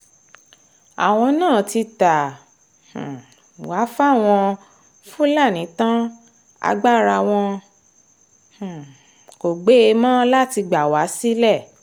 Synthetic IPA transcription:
a̰˨w̃ɔ̃˧nãː˦˨ti˧tã˨ | wa˨˦fa˦˨w̃ɔ̃˧ | fũ˦la˦˨nĩ˨˦tã˦ | a̰˧ɡ͡ba˦˨ɾa˧˨w̃ɔ̃˧ | h̩˨ | ko˨ɡ͡be˨˦e˧mãː˦la˦ti˧ɡ͡ba˨wa˨˦si˦lɛ˦˨

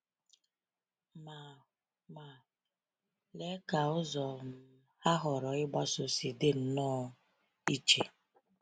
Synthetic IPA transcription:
ma˨ | ma˨ | le˦ka˨ʊ˦zɔ˨m̩˦ | a˦ɦɔ˨ɾɔ˨ɪ˦ɡ͡ba˦so˨si˨de˦n̩˦nɔː˦ | i˦t͡ʃe˨

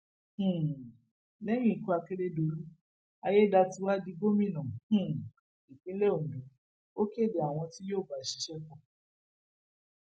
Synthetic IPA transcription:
lɛ˦mĩ˦i˨ku˧a˧ke˦ɾe˦do˨˦lu˦ | a˧je˦da˧ti˧˦wa˦di˧ɡo˦mĩ˦˨nɔ̃˨˦˨ | i˨kĩ˦le˦o˨mĩ˨˦ | o˦ke˦˨de˨a˨w̃ɔ̃˧ti˦joː˦˨ba˨ʃi̥˨˦ʃɛ˦kɔ̃˦˨

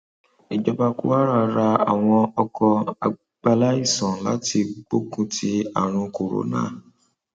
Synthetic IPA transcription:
e˨d͡ʒɔ˧ba˧kṵ˦wa˦ɾa˦˧˨ɾa˧a̰˨w̃ɔ̃˧ɔ˧kɔ˧a̰˨˧ | ɡ͡ba˧la˦i˦˨sɔ̃˨la̰˨˦ti˧ɡ͡bo˦kũ˦tʰi˧˦a˨ɾ̃ũ˧ko˨ɾo̰˨nã̰˨˦

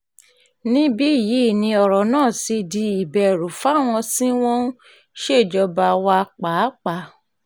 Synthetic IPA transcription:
nĩ˦bi˦i˦˨ji˨˦˨nĩ˧ɔ˨ɾɔ˨nãː˦˨si˧di˧i˨bɛ˨ɾu˨fa˦˨w̃ɔ̃˧sĩ˦w̃ɔ̃˦ | ʃe˦˨d͡ʒɔ˧ba˧wa˧k͡pa˨˦k͡pa˨˦

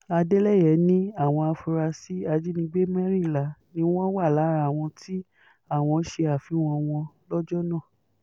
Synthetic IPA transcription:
a˧de˦lɛ˦˨jɛ˨˦nĩ˦a˦˨w̃ɔ̃˧a˧fu˧ɾa˧si˦a˧d͡ʒi˦nĩ˧ɡ͡be˦mɛ˦ɾi˦˨la˨˦nĩ˦w̃ɔ̃˦wa˦˨la˨˦ɾa˦˨w̃ɔ̃˧tʰi˦ | a˦˨w̃ɔ̃˧˦ʃe˧a˨fi˨˦w̃ɔ̃˧w̃ɔ̃˧lɔ˦d͡ʒɔ˦nãː˦˨

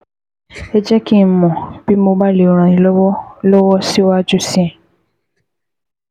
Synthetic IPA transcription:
ɛ˦d͡ʒɛ˦kĩ˦˨m̩˦mɔ̃˨b̥i˦mo˦ba˦le˨o˨ɾ̃ã˨ĩ˨lɔ˦wɔ˦lɔ˦wɔ˦si˦wa˦d͡ʒu˦si˦ɛ̃˨

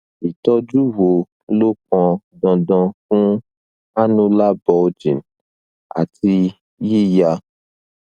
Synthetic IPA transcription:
i˨tɔ˦d͡ʒu˦wo˨ | lo˦k̚ɔ̃˧dɔ̃˧dɔ̃˧k̚ũ˦ | a˦nũ˦la˦bɔ˧d͡ʒĩ˨n | a̰˨ti˧ | ji˦˨ja˧

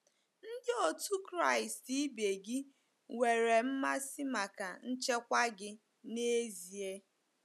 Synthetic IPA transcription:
n̩˦dɪ˦o˨tu˦kɾa˦˨i˨sti˦be˨ɡɪ˦ | we˨ɾe˨m̩˦ma˦sɪ˦ma˨ka˨n̩˦t͡ʃe˦kʷa˦ɡɪ˦ | ne˦zi˨e˦

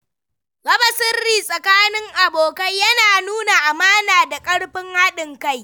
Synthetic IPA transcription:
ɡɐ˦bɐ˨sɪ˦rːiː˨sʼɐ˨kaː˦nɪ˦ŋʔa˨boː˨kɐ˦jjɐ˦naː˨nuː˦na˨ʔa˨maː˦naː˨da˨kʼɐ˦ɽɸɪ˦ŋha˦ɗɪ˨ŋka˦˨j

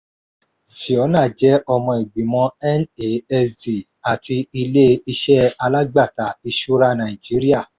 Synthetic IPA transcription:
fi˨ɔ˨˦nãː˦˨d͡ʒɛ˨˦ʔɔ˧mɔ̃˧i˨ɡ͡bi˨mɔ̃˧ɛ˦ne˦˨ɛ˧sdi˨ | a˨ti˧i˧le˦i˧ʃɛ˦a˧la˦ɡ͡ba˦˨ta˨i˧ʃu˦ɾa˦˧nã˨i˨d͡ʒi˨˦ɾi˦a˦˨

